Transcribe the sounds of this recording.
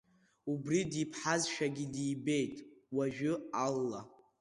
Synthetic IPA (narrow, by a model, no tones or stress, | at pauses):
ubridipʰħazʃᶣaɡʲidiːbe̞jtʼwaʒᶣʊalːa